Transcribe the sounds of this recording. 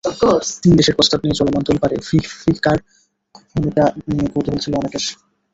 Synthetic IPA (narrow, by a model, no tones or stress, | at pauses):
kot̪ind̪eʃeɾpɾost̪ʰabniet͡ɕɔlomant̪olpaɾefifikaɾ | ɡʱumikanijekoɾt̪ebolt͡ɕʰiloɔnekeʃ